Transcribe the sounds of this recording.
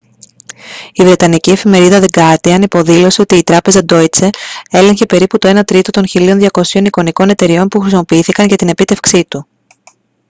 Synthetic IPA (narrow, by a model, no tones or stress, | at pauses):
ivɾe̞t̪ɐnicie̞fime̞ɾiðɐðeɡɐɾt̪iɐnipo̞ðilo̞seot̪iːt̪ɾɐpe̞zɐd̪o̞it͡see̞leɲçe̞pe̞ɾiput̪o̞e̞nɐt̪ɾit̪o̞t̪o̞nçilio̞nðʝɐko̞sio̞niko̞niko̞ne̞t̪e̞ɾio̞npuxɾisimo̞piiθikɐɲʝɐt̪ine̞pit̪e̞fksit̪u